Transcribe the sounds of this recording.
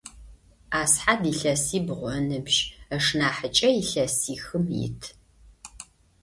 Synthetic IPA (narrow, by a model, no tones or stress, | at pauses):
aːsħadiːɬɐsiːbʁʷɔnɨbʒɐʂnaːħət͡ʃʼɐjɪɬɐsiːxɨmjɪ̰tʰ